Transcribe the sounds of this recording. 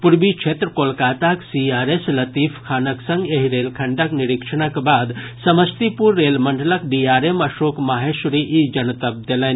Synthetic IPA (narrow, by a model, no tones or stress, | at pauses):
puɾbikt͡ʃʰeːt̪ɾəkolkaːt̪aksiaːɾeslɐt̪iːfʰkʰaːnɐksɐ̃ŋɡeɦiɾeːlkʰɐɳɖəkniɾikʂəɳ̃əkbaːd̪sɐməst̪ipuɾːeːlmɐɳɖələkɖiːaːɾemɐʃoːkmaːɦeʃɾiʔid͡ʒɐnt̪ɐb̚d̪elen